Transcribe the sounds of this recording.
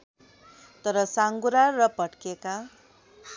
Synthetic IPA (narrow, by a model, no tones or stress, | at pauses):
t̪ʌɾʌsaŋɡuɾarʌpʌʈkeka